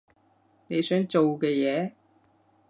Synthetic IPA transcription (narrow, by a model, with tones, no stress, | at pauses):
ne˨˧jsœː˨˥ŋt͡ʃo˨wkɛː˧jɛː˨˧